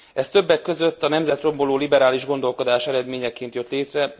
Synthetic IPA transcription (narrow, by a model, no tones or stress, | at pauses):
ɛst̪ø̞bːɛkːø̞zø̞t̪ːɒnɛmzɛt̪ro̞mbo̞loːlibɛɾaːliʒɡo̞nd̪o̞lko̞d̪aːʃɛɾɛd̪meːɲɛkeːnt̪jø̞t̪leːt̪rɛ